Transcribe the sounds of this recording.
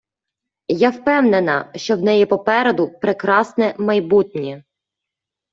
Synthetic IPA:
jawpɛwnenɐʃt͡ʃɔwnɛjipɔpɛɾed̪ʊpɾekɾɑsnɛmɐjbutʲnʲi

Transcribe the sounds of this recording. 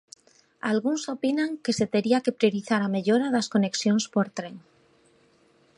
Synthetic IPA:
alɣ̞unso̞pinaŋke̞se̞t̪e̞ɾiake̞pɾjo̞ɾiθaɾame̞ʎoɾaðasko̞ne̞ksjo̞nspo̞ɾt̪ɾeŋ

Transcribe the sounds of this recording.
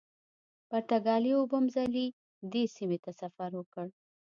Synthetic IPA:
paɾt̪aɡɑliobəmzali | d̪esimet̪asafaɾwəkəɽ

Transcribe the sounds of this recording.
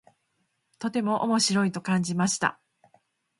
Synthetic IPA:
t̪o̞t̪e̞mo̞ʔo̰mo̞ɕiɾo̞it̪o̞kãɲ̟d͡ʑimaɕi̥t̪a̰

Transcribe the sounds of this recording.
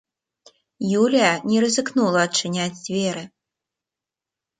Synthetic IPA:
julʲijɐnʲɛɾɨzɨknulˠɐːt͡ʂɨnʲad͡zʲd͡zʲvʲɛɾɨ

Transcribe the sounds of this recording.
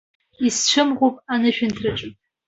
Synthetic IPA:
ist͡ʃʷʰɨmʁʷopʼanɨʃᶣɪntʰrɨʈ͡ʂʷʼɨpʼ

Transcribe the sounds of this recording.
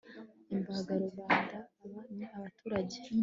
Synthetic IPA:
imbaɡaɾoβaːndaːβanaaβatʰuːɾaɟe

